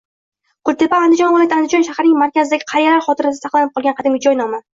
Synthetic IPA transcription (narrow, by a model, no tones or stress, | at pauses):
qʰʊɾt̪e̞paːnd̪ɪd͡ʒɒnvʊlˠat̪and̪ɪd͡ʒɒnʃahɾnɪŋmaɾkʲazɪd̪aɡʲɪ̥qʰɑɾjaɾaɾχɒt̪ʰɪɾasɪ̥asɑqlˠanɪp̚qʰɒlˠɡʲanqʰɑd̪ɪmʲɪd͡ʒɒjnɒma